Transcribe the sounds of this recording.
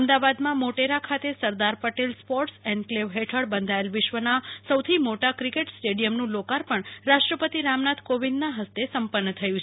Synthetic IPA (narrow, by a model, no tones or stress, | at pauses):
əmd̪aʋad̪mãmoʈeɾakʰat̪esəɾd̪aɾpəʈelspɔʈsɛɳɖkleʋɦeʈʰəɽbənd̪ʱaelʋɪʃʋənasəwt̪ʰimoʈakɾikeʈsʈeɽijəmnũlokaɾpəɳɾaʃʈɾəpət̪iɾamnad̪ʱkoʋind̪naɦəst̪esəmpənːət̪ʰəjũt͡ʃʰ